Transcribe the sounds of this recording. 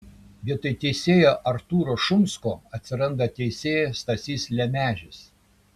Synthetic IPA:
ʋʲiɛt̪ɐɪt̪ʲɛɪsʲeːjoʔɐɾt̪uːɾoːʃʊmskoːɐt̪ʲsʲɪɾɐnd̪ɐt̪ʲɛɪsʲeːjest̪ɐsʲiːslʲɛmʲæːʒʲɪs

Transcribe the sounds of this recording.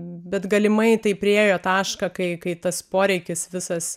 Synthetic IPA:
bʲɛt̪ɡɐlʲɪmɐɪt̪ɐɪpʲɾʲɪeːjoːt̪ɑːʃkɐkɐɪkɐɪt̪ɐspoːɾʲɛɪkʲɪsʋʲɪsɐs

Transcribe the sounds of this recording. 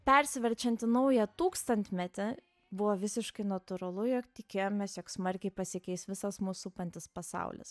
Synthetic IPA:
pʲɛɾʲsʲɪʋʲɛɾʲt͡ʃʲɛnʲt̪ʲɪnɐʊjɛt̪uːkst̪ɐnʲt̪ʲmʲɛt̪ʲɪ | bʊʋoʋʲɪsʲɪʃkɐɪnɐt̪ʊɾɐlˠʊjokt̪ʲɪkʲeːjoːmʲeːsjoːksmɐɾʲkʲɛɪpɐsʲɪkʲɛɪsʋʲɪsɐsmuːsupɐnʲt̪ʲɪspɐsɑ̰ʊlʲɪ̰s

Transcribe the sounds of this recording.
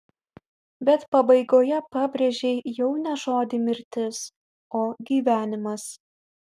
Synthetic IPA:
bʲɛt̪pɐbɐɪɡoːjɛpɑːbʲɾʲeʒʲɛɪjɛʊnʲɛʒoːd̪ʲɪmʲɪɾʲt̪ʲɪs | oːɡʲiːʋʲæːnʲɪmɐs

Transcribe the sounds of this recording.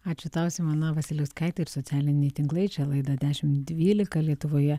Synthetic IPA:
ɑːt͡ʃʲʊklˠɑˑʊsʲɪmɐnɐʋɐsʲɪlʲɛʊskɑˑɪt̪ʲeɪɾsot̪sʲæːlʲɪnʲɛɪt̪ʲɪŋklˠɐɪt͡ʃʲɛlˠɐɪd̪ɐd̪ʲæːʃʲɪmd̪ʲʋʲiːlʲɪkɐlʲiɛt̪ʊʋoːjɛ

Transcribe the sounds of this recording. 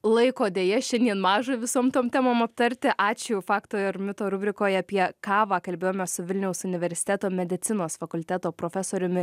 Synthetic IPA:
lˠɐɪkoːd̪ʲeːjɛʃʲɛnʲd̪ʲiɛnmɑːʒɐʋʲɪsoːmt̪oːmt̪ʲæːmoːmɐpt̪ɐɾʲt̪ʲɪʔɑːt͡ʃʲɛʊfɑːkt̪oːɐɾmʲɪt̪oːɾʊbʲɾʲɪkoːjɐpʲiɛkɑːʋɑːkɐlʲbʲeːjoːmʲɛsʊʋʲɪlʲnʲɛʊsʊnʲɪʋʲɛɾʲsʲɪ̥t̪ʲæːt̪oːmʲɛd̪ʲɪt̪sʲɪnoːsfɐkʊlʲt̪ʲæːt̪oːpɾoːfʲɛsoːɾʲʊmʲɪ

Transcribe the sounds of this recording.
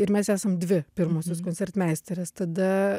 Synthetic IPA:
ɪɾmʲɛsæːsɐmd̪ʲʋʲɪpʲɪɾmoːsʲoskoːnʲsʲɛrt̪mʲæːsʲt̪ʲɛɾʲɛst̪ɐd̪ɐ

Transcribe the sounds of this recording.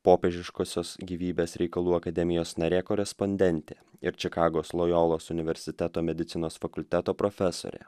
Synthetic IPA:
poːpʲeːʒʲɪʃkoːsʲoːsɡʲiːʋʲiːbʲeːsɾʲɛɪkɐlˠuːɐkɐd̪ʲɛmʲɪjoːsnɐɾʲeːkoːɾʲɛspɔnʲd̪ʲɛnʲt̪ʲeːɪɾt͡ʃʲɪkɑːɡoːslˠoːjoːlˠoːsʊnʲɪʋʲɛɾʲsʲɪt̪ʲæt̪oːmʲɛd̪ʲɪt̪sʲɪnoːsfɐkʊlʲt̪ʲæt̪oːpɾoːfʲɛso̰ɾʲḛː

